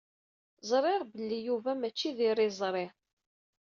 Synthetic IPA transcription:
zˤɾˤɪʁbəlːijuvæmæt͡ʃːiðɪɾˤizˤɾˤɪʁ

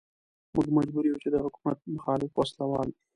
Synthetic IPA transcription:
mʊɡmad͡ʒbuɾiwut͡ʃed̪əɦʊkumat̪̚mʊxɑlɪfwaslawɑl

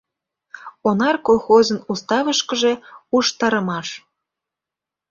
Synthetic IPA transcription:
onɑrkolˠxozənust̪ɑβəʃkə̆ʒe̽uʃt̪ɑɾə̆mɑʃ

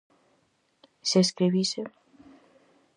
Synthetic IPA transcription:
seskɾiβise

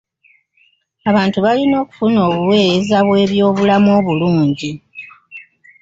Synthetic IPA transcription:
aβaːntuβalino̞ːku̥funo̞ːβuwe̞ːjezaβwe̞ːβjo̞ːβulamo̞ːβuluːɲɟi

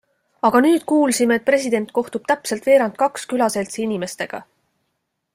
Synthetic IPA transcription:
ɑɡ̥ɑnyːd̪̥̚kuːlsime̞ːt̪̚pre̞sʲid̪e̞nt̪̚ko̞ht̪ub̥t̪æpse̞lt̪v̥e̞ːɾɑnt̪̚kɑkskylɑse̞lt̪siinime̞st̪e̞ɡ̥ɑ̰

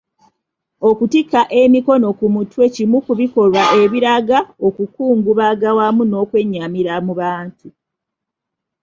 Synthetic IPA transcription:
o̞kutikːaʔe̞miko̞no̞kumutwe̞cimukuβiko̞lwaʔe̞βiɾaɡao̞kukuːŋɡuβaɡawamuno̞ːkwe̞ɲːamiɾamuβaːntu

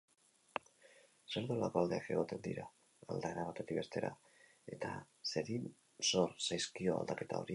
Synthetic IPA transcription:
se̞ɾðola̰ko̞ald̪e̞ake̞ɣo̞t̪e̞nd̪ḭɾaː | ld̪aeɾaβ̞at̪e̞t̪ikbe̞st̪e̞ɾa̰ | e̞t̪a | se̞ɾin | so̞ɾsajskio̞a̰ld̪ake̞t̪ao̞ɾi

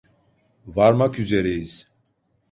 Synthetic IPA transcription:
vaɾmakʰyzɛɾɛjiz̥

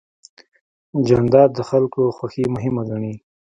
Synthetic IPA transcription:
d͡ʒand̪ɑːd̪d̪əxalkoxwaximʊɦɪmaɡaɳi

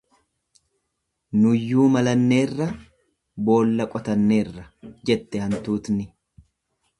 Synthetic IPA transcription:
nʊjːuːmɐlɐnːe̞ːrːɐ | bo̞ːlːɐkʼɔt̪ɐnːe̞ːrːɐd͡ʒɛt̪ːɛhɐnt̪uːt̪nɪ

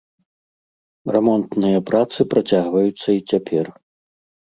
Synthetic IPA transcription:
rɛmɔnt̪nɨjɐpɾat̪sɨpɾat͡sʲaɣvɐjut̪sːɐit͡sʲapʲʰɛr

